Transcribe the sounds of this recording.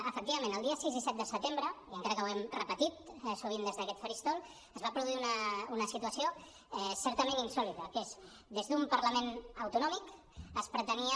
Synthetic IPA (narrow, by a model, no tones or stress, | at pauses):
əfək̚t̪iβɐmẽnəlˠd̪iəsizðisɛt̪̚d̪əsət̪embɾəiəŋkaɾəkəwɛmrəpət̪it̪suβ̞ind̪ezðəkɛt̪fəɾist̪olˠ | əzβapɾuðuiunəunəsit̪uəsio | ɛsɛɾt̪əmẽninsɔlit̪əkes | d̪ezðumpəɾləmenəwt̪unɔmik | əspɾət̪əniə